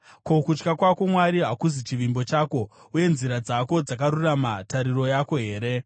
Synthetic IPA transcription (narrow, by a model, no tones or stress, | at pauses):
ko̞kut͡ʃkakwako̞mwaɾiɦakuzit͡ʃiʋimbo̞t͡ʃaːko̞ | uje̞nziɾad͡zako̞d͡zakaɾuramataɾiro̞jako̞ɦe̞ːɾe̞